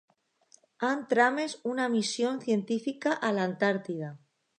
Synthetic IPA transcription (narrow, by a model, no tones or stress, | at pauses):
ant̪ɾame̞sunamisjo̞nθje̞nt̪ifikaʔalant̪aɾt̪iða